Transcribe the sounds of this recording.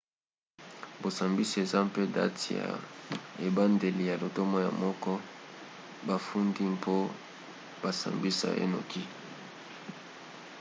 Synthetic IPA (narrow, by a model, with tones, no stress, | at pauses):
bo˨sa˨mbi˦si˨e˨za˦mpe˦da̰˦ti˨ja̰˨e˨ba˦nde˨li˨ja˨lo˨to˦mɔ˦ja̰˨mɔ˦kɔ˦ | ba˨fu˦ndi˦mpʰo˦ | ba˨sa̰˨mbi˦sa̰˨ḛ˦no̰˨ki˦